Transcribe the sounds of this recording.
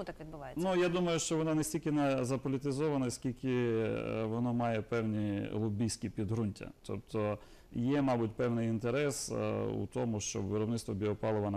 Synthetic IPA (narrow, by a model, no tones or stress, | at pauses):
t̪akʋʲid̪bʊʋɑjnʲujad̪umɐjʊʃt͡ʃɔʋɔnɑnesʲtʲilʲkʲɪnɛzɐpɔlʲit̪ɪzɔʋɐnɐsʲkʲilʲkɪ | ʋɔnɔmɑjɛpɛwnʲilˠʊbʲijsʲkʲipʲid̪ɦɾunʲtʲɐ̰t̪ʰɔpt̪ʰɔ | jɛmɑbʊt̚ʲpɛwnɪjint̪eɾɛsṵt̪ɔmʊʃt͡ʃɔ̰bʋɪɾɔbnɪt̪st̪ʋɔbʲiɔpɑlˠɔʋɐn